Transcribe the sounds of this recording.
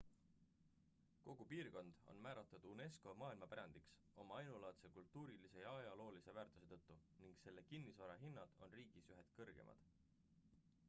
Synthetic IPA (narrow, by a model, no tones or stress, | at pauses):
ko̞ɡ̥upiːrko̞nd̪̥o̞̰nmæːɾɑt̪ːˑɑd̪̥une̞sko̞mɑːilmɑpæɾɑnd̪̥iks | o̞mɑɑjnulɑt̪se̞kult̪ːˑuːɾilise̞jɑɑjɑlo̞ːlisevæːrt̪ˑuse̞t̪ɤ̞t̪ːuniŋɡse̞lːe̞kinːisvɑɾɑɦinːɑd̪̥o̞nriːɡ̥isyɦed̪̥kɤrɡ̥e̞̰mʔɑ̰d̪̥